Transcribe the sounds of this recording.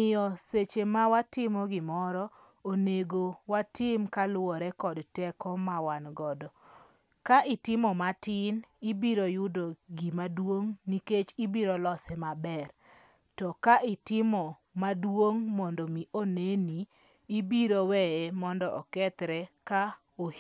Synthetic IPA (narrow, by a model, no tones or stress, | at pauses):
ɪjɔset͡ʃemawatɪmɔɡɪmɔɾɔ | oneɡowatɪmkalwɔɾɛkɔdtɛkɔmawanɡɔdɔ | kaʔɪtɪmɔmatɪnibiɾojʊdoɡimadwoŋniket͡ʃibiɾolɔsɛmabɛr | tɔkaʔɪtɪmɔ | madwoŋmɔndɔmiʔoneniː | biɾowɛemɔndɔʔɔkɛt̪ɾɛka | o